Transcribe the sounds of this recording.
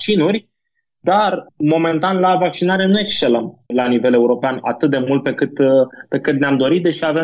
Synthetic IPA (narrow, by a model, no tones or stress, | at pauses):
t͡ʃinurʲ | d̪armo̞me̞nt̪anlavak̚t͡ʃinaɾe̞nue̞kst͡ʃe̞ləmlanive̞le̞uɾo̞peana̰t̪ɨt̪̚d̪e̞mult̪̚pe̞kɨt̪pe̞kɨt̪neamd̪o̞ɾit̪̚d̪e̞ʃiave